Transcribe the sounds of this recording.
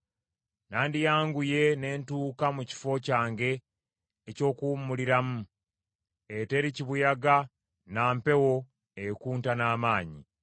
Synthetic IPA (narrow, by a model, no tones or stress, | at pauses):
naːndijaːŋɡuje̞ne̞ːntuːkamuci̥fo̞caːŋɡe̞ː | co̞ːkumːuliɾamu | ete̞ɾiciβujaɡa | naːmpe̞wo̞ | ekuːntanaːmaːɲi